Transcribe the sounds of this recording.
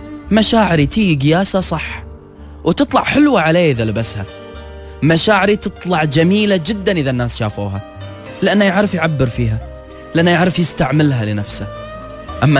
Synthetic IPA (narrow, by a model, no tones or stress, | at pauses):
maʃaːʕɪɾit̪iːɡɡɪjaːsasˤɑħː | wt̪ɨt̪ˤlɑʕħɪlwaʕaleːʔɪðalɪbasha̰ | maʃaːʕɪɾit̪ɨt̪ˤlɑʕd͡ʒamiːlad͡ʒɪd̪ːanʔɪðanːaːsʃa̰ːfuːɦa | lɪʔanːajaʕɾɪfjʕabːɪɾfiːɦa | lʔanːajaʕɾɪfjɪst̪aʕmɪlɦalɪnafsa | ʔamːa